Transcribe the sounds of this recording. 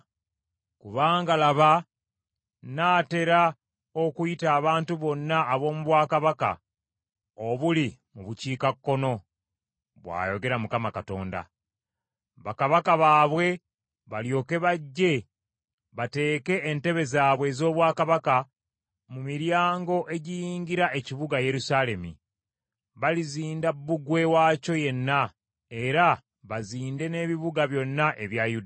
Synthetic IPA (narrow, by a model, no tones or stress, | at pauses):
kuβaːŋɡalaβa | naːte̞ɾa | o̞kujitaːβaːntuβo̞nːaːβo̞ːmuβwaːkaβaka̰ | oβulimuβuciːkakːo̞no̞ | βwa̰ːjo̞ɡe̞ɾamukamakato̞̰ːnda̰ | βakaβakaβaːβwe̞ | βaljo̞ːke̞βaɟːe̞ | βate̞ːke̞ːnte̞βe̞zaːβwe̞ːzo̞ːβwaːkaβaka | mumiɾjaːŋɡo̞ʔe̞ɟijiːɲɟiɾaʔe̞ciβuɡaje̞ɾusale̞mḭ | βaliziːndabːuɡwe̞waːco̞je̞nːa | e̞ɾa | βaziːnde̞ne̞ːβiβuɡaβjo̞nːaʔeβjajud